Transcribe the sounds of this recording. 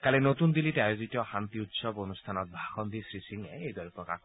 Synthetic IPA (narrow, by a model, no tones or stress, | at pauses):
kalɛnot̪und̪ilitɛajozit̪ɔxant̪iut̪sɔbonust̪ʰanɔt̪̚bʱaxɔnd̪isɹisiŋɛejd̪ɔɹipɔka̰